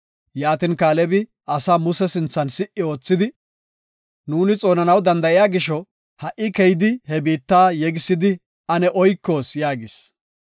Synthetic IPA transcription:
jaːt̪ɪnkaːlɛbɪ | ʔɐsaːmʊsɛsɪnt͡sːɐnsɪʔːɪo̞ːt͡sːɪd̪ɪ | nuːnɪt͡sʼo̞ːnɐnɐwd̪ɐnd̪ɐʔɪjaːɡɪʃɔ | hɐʔːɪkɛjɪd̪ɪhɛbiːt̪ːaːjɛɡɪsːɪd̪ɪ | ɐnɛʔɔjkːo̞ːsjaːɡɪs

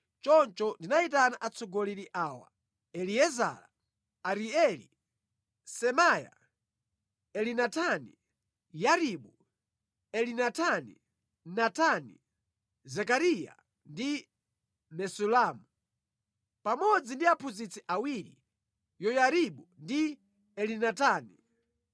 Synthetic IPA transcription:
t͡ʃɔnt͡ʃɔndinaitanaʔat͡sɔɡɔliɾiʔaːwa̰ | ɛliɛza̰la | aɾiɛlḭ | sɛmaja̰ | ɛlinatʰanḭ | jaɾiɓu | ɛlinatʰanḭ | natʰani | zɛkaɾija̰ | ndi | mɛsulaːmu | pamɔd͡zindiapʰuzit͡sʰiʔawiɾḭ | jɔjaɾiɓundi | ɛlinataːni

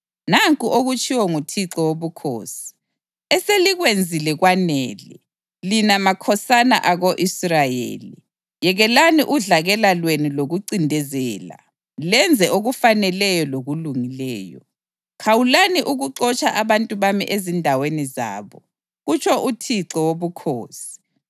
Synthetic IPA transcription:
naŋkʼuʔoɣut͡ʃʰiwɔŋutʰiǁɔwoβukʰo̰ːsi̥ | ɛseliɣwend͡zʱilɛɣwanɛːlɛ | linamakʰɔsana̰ʔaɣoʔisrajḛːli | jɛɣɛlaniʔuɮaɣɛlalweniloɣuǀindʱɛzɛːla̰ | lɛnd͡zʱɛʔoɣufanɛlɛjɔloɣuluŋilɛ̰ːjɔ̰ | kʰawulaniʔuɣuǁɔt͡ʃʰaʔaβantʼuβamḭʔezindʱaweniza̰ːβɔ | ɣut͡ʃʰɔʔutʰiǁɔwoβukʰoːsi̥

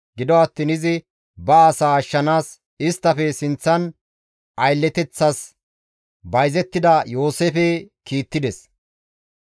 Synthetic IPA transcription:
ɡɪd̪ɔɐt̪ːiːnɪzɪ | bɐːsaːɐʃːɐnaːs | ɪst̪ːɐfɛsɪnt͡sːɐn | ʔɐjlːɛt̪ɛt͡sːɐs | bɐjzɛt̪ːɪd̪ɐjo̞ːseːfɛ | kiːt̪ːɪd̪ɛs

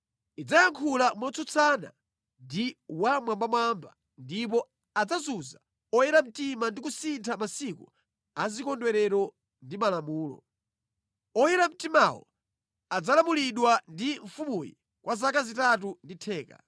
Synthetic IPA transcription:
id͡zajaŋkʰulamɔt͡sɔt͡sʰana̰ | ndiwamwambamwamba̰ | ndip̬ɔ | ad͡zazuza | ɔjɛɾam̩timandik̬usintʰamasikṵ | azikɔndwɛɾɛɾɔ | ndimalamuːlɔ̰ | ɔjɛɾam̩timawɔ̰ | ad͡zalamuliɗwandiɱfumujɛ̰ | kwazakazitat̬unditʰɛːka̰

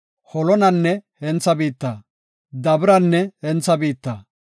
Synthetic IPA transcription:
hɔlɔnɐnːɛhɛnt͡sːɐbiːt̪ːɐ | d̪ɐbɾɐnːɛhɛnt͡sːɐbiːt̪ːɐː

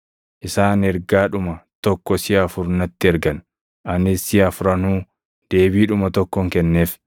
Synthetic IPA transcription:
ʔɪsaːnɛɾɡaːᶑʊmɐt̪ɔkːɔsɪɐɐfʊɾnɐt̪ːɪɛɾɡɐn | ɐnɪsɪɐfʊɾɐnuː | d̪̥e̞ːbiːᶑʊmɐt̪ɔkːɔŋkɛnːeːf

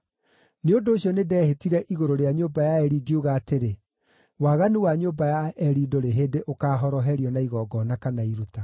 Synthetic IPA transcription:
neondoːɕjɔnedɛːhetiɾɛʔiɣoɾoɾeaɲoːbajaɛɾiɡiuɣaːteɾe | waːɣaniwaɲoːbajaɛɾidoɾeɦeːdeʔokaːɦɔɾɔɦɛɾiɔnaiɣɔːɡɔnakanaiɾuta

